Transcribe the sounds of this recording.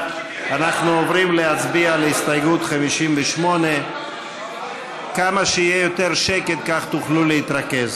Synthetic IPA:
anaχnuovʁimleat͡sbialeist̪ajɡut̪χamiʃimveʃmo̞ne | kamaʃeijejo̞t̪eʁʃeket̪̚kaχt̪uχluleit̪ʁake̞z

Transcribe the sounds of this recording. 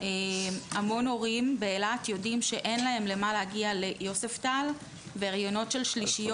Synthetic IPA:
eamo̞no̞ʁimbeːlat̪jo̞dimʃe̞ʔe̞nlae̞mle̞malehaɡiale̞jo̞seftal | veʁajono̞tʃe̞lʃliʃijo

